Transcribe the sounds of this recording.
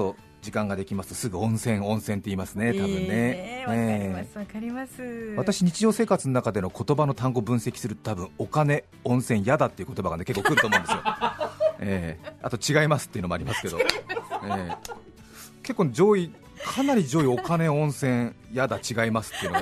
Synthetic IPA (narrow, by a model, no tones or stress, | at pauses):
o | d͡ʑikãŋɡad̪e̞kʲimasɨ̥t̪o̞sɨɡɯ̟õ̞ɰ̃sẽ̞ɰõɰ̃sẽ̞nt̪ːe̞iːmasɨne̞t̪abɯ̟̃nːe̞e | β̞at̪aɕiɲ̟it͡ɕiʑo̞ːse̞ːkat͡sɨno̞nakad̪e̞no̞ko̞t̪o̞bano̞t̪ãŋɡo̞bɯ̟̃ɰ̃se̞kʲi̥sɨɾɯt̪o̞t̪abɯ̟̃ɰ̃o̞kane̞ | õ̞ɰ̃sẽ̞ɰ̃jad̪at̪ːe̞iɯ̟kot̪o̞baɡane̞kekːoːkɯ̟ɾɯt̪oːmõndesɨjo | ea̰t̪o̞t͡ɕiɡaimasɨ̥t̪ːeɯ̟nomaɾʲimasɨ̥ke̞d̪oeː | ke̞kːoːned͡ʑo̞ːi | kʰanaɾʲid͡ʑo̞ːio̞kane̞õ̞ɰ̃sẽ̞jad̪at͡ɕiɡaimasɨ̥t̪ːeiɯ̟n